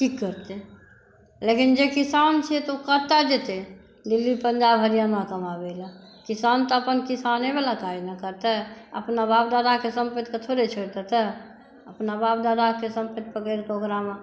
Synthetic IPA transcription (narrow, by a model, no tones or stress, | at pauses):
kikːəɾt̪e | lekind͡ʒekisant͡ʃʰɛt̪okət̪ad͡ʒet̪e | d̪ilːipəɲd͡ʒabɦəɾijamakəmabeləkisant̪əəpənkisanebalat̪ainəkəɾt̪ɛə̰pnabap̚d̪ad̪akesə̃mpət̪kət̪ʰoɾet͡ʃʰoɾt̪ɛt̪ɛ | əpnabap̚d̪ad̪akesəmpət̪̚pəkəɾkokɾama